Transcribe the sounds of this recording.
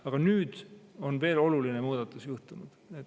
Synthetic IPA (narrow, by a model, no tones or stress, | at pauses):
ɑɡ̥ɑnyːd̪̥o̞nve̞ːlo̞lulinemuːd̪̥ɑt̪ːˑusjuht̪unud̪̥et